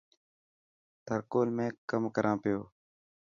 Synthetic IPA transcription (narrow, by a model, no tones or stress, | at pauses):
t̪ʰəɾkoːlmẽːkəmkəɾʔãːpɪjoː